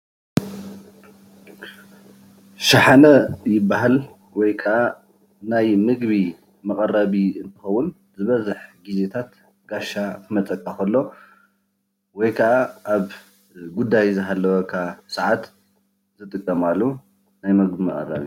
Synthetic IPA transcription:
ʃaħanɐjɪbːaɦal | wɔjkʰɐʔa | najmɨɡβi | mɐkʼɐrːaβiɨnt̪ʰɨ̥xɐwʊn | zɨβɐzɨħɡize̞t̪ʰat̪ | ɡ̥aʃakʰɨmɐt͡sʼɐkʼːaxɐlːo̞ | wɔjkʰɐʔaʔaβ | ɡud̪ːajzɨɦalːɐwɐkʰasɐʕat̪ | zɨt̪ʼɨkʼːɐmalːu | najmɨɡbimɐχʼɐ̰ra̰βi

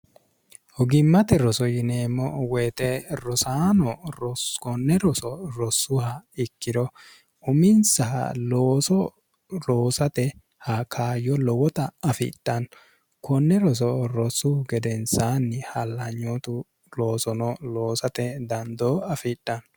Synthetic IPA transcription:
hɔɡɪmːɐt̪ɛɾɔsɔjɪneːmːɔwɛːt̪ɛɾɔsaːnɔɾɔkɔnːɛɾɔsɔɾɔsːʊhɐɪkːɪd̪ɔ | ʊmɪnsɐhɐ̰loːsɔ | loːsɐt̪ɛ | hɐkʰaːjɔlɔwɔt̪ɐɐfɪ̰tʼːɐn | kɔnːɛɾɔs̬ɔɾɔsʊɡɛd̪ɛnsaːnːɪhɐlːɐɲːot̪ʊ | lo̞ːsɔnɔlo̞ːsɐt̪ɛd̪ɐnd̪oːɐfɪtʼːɐn

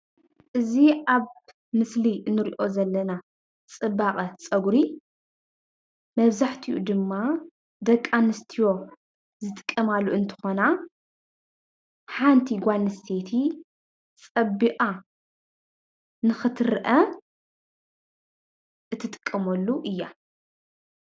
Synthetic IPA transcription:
ʔɨziaβ | mɨslinːɨɾḭʔo̞zɐlːɐna | t͡sʼɨbaqʼɐt͡sʼɐɡɾi | mɐβzaħt̪ʰiʔud̪ɨmːa | d̪ɐkʼːanɨst̪ʰijo̞ | zɨt̪ʼɨ̥kʼːɐmalːuɨnt̪ʰɨ̥xo̞na | ħant̪ʰiɡʷanːɨst̪ʰe̞t̪ʰi | t͡sʼɐbiʔʼa | nɨxɨt̪ʰɨɾʔɐ | ʔɨt̪ʰːɨt̪ʼɨ̥kʼːɐmɐlːuʔɨjːa

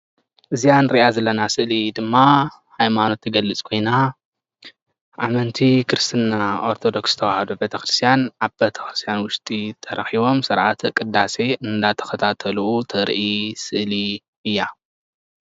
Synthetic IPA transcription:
ʔɨzijanɾiʔazɐlːɐnasɨʔlid̪ɨmːa | hajmano̞t̪ʰːɨɡɐlːɨt͡sʼkʰo̞jna | ʔamɐnt̪ʰikɨɾɨst̪ʰɨnːaaʔo̞ɾt̪ʰo̞d̪o̞ksɨt̪ʰɐwahɐd̪obet̪ʰɐxɾɨst̪ʰijanʔaβbet̪ʰɐ̥xɾɨ̥st̪ʰjanwʊʃt̪ʼit̪ʰɐɾɐxiβo̞msɨɾʕat̪ʰkʼɨd̪ːase̞ʔɨnd̪at̪ʰɐ̥xɐt̪ʰat̪ʰɐluut̪ʰɐɾʔisɨʔli | ʔɨjːa

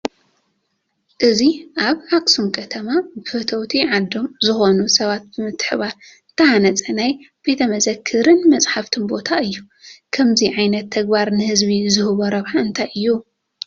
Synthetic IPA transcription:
ʔɨziʔaβʕakʼsumkʰɐt̪ʰɐmabɨfɨt̪ʰɐwt̪ʰiʕad̪omzɨxo̞nusɐβat̪̚bɨmɨt̪ʰːɨ̥ħβaɾ | ɨnt̪ʰɐhanɐt͡sʼɐnaj | b̥e̞t̪ʰɐmɐzɐkʰːɨɾɨnmɐt͡sʼħaft̪ʰɨnbo̞t̪ʰaɨjːu | kʰɐmziʕajnɐt̪ʰːɐɡbaɾnɨhɨzβizɨhɨβoɾɐβħaɨnt̪ʰajʔɨjːu

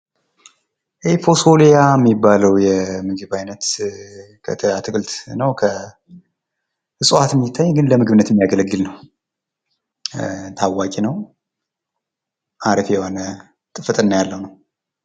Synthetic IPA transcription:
ʔefo̞solijamːibːaləwjɛmɨɡɨβajnət̪ | kʰə̰t̪ʰəat̪ʰɨkʼɨlt̪nəwkʰə | hɨsʼuat̪mːjɪt̪ʰːaɲːɡɨnləmɨɡɨβɨnət̪jɛmːijaɡələɡːɨlnəw | t̪ʰawːakʼinəw | ʔaɾəfjɛhonə | t̪ʼɨfɨt̪ʼɨnːajalːəwnəw

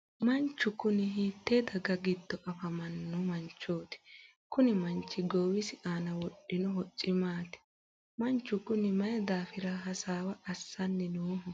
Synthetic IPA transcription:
mɐnt͡ʃːʊkːʊnɪɦiːt̪ːeːd̪ɐɡɐɡɪd̪ːɔʔɐfɐmɐnːɔmɐnt͡ʃːo̞ːt̪ɪ̥ | kʊnɪmɐnt͡ʃːɪɡoːwɪsɪʔaːnɐwɔɗːɪnɔɦɔt͡sʼːɪmaːt̪ɪ̥ | mɐnt͡ʃːʊkʊnɪmɐjɐd̪aːfɪɾɐɦɐsaːwɐʔɐsːɐnːɛnoːɦɔ

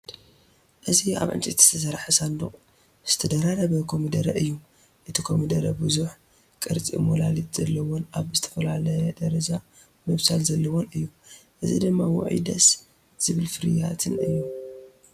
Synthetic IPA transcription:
ʔɨzia̰βʕɨ̰nt͡ʃʼit̪z̥ɨt̪ʰɐs̬ɐɾħɨsand̪uqʼ | z̥ɨt̪ʰɐd̪ɐɾaɾɐβɐkʰo̞mid̪ɐɾɐʔɨjːu | ʔɨt̪ʰikʰomid̪ɐɾɐbɨzuħ | kʼɨɾt͡sʼimolalit̪z̥ɐlːɐwonaβzɨt̪ʰɐ̥fɐlalɐjɐd̪ɐɾɐza | mɨβsalzɐlːɐwonɨjːuʔɨzḭd̪ɨmːawɔ̰ʕḭd̪ɐ̰s | z̥ɨβɨlfɨɾɨjat̪ʰɨnɨjːu

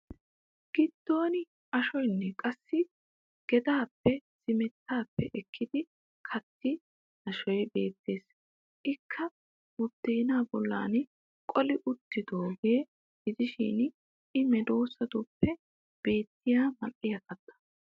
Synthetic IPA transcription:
ɡ̥ɪd̪̥ːo̞ːnɪ | ɐʃɔjnːɛkʼɐsːɪ | ɡ̥ɛd̪aːpːɛsɪmɛt̪ːaːpːɛʔɛkʰːɪd̪ɪ | kʰɐt̪ːɪ | nɐʃɔjbe̞ːt̪ːe̞ːs | ʔɪkʰːɐ | wɔt̪ːeːnaːbɔlːa̰ːn | kʼɔlɪʔʊt̪ːɪd̪oːɡe | ɡɪzɪʃɪ̰ːn | ʔɪmɛd̪o̞ːsɐd̪ʊpːɛ | b̥e̞ːt̪ːɪjaːmɐʔɪjɐkʼːɐt̪ːɐ̥

